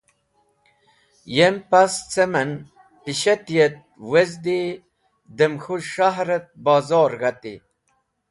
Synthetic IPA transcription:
jempast͡semen | piɕet̪jet̪̚wezd̪i | d̪əmxuʂaɦɾet̪̚bɑːzoːɾɣat̪ḭ

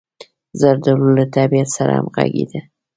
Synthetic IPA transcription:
zaɾd̪alulat̪abijat̪saɾa̰a̰mɣa̰ɡed̪a

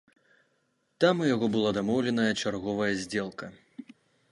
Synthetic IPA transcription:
t̪amujaɣɔbɨlˠad̪amɔwlʲɛnɐjɐt͡ʂarɣɔvɐjɐzʲd͡zʲɛlˠkɐ

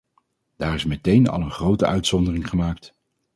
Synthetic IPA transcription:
d̥aːrɪsmɛtejnɑ̰lˠənχrowtəœɥtsɔndərɪŋχəmaːkt

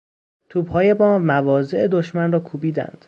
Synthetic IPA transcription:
t̪ʰuːbhɒːje̞bɒːmævɒːze̞ʔed̪o̞ʃmænrɒːkʰuːbiːd̪æ̰nd̪̥

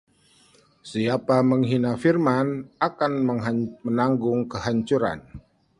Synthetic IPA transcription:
siapaməŋɦinafirmanakanməŋɦamənaŋɡʊŋkəhaɲt͡ʃuɾa̰n

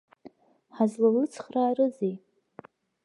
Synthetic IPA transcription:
ħazlalɨt͡sʰχraːrɨzej

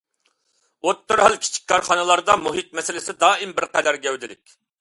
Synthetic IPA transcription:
ot̪ːoɾɦɑlˠkʲʰi̥t͡ʃʰi̥k̚ʲkːʰɑɾχɑnɨlˠɑɾd̪ɑmuɦɪt̪̚mɛsɪlɪsɪd̪ɑːimbɪɾqʰɛd̪æɾɡʲɛwd̪ɪlɪ̰kʲ

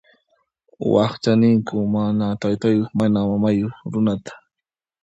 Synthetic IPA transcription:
wɑ̰χt͡ʃanɪŋkʊmanat̪ajt̪ajoχmanamamajoχɾʊnat̪ḁ

